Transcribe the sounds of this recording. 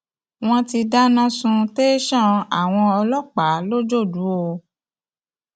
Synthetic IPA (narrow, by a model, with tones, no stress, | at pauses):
w̃ɔ̃˦ti˧da˦nã˦sũ˧te˦ʃã˦˨a˨w̃ɔ̃˧ɔ˧lɔ˦k͡pa˨˦lo˦d͡ʒo˦˨du˨˦o˧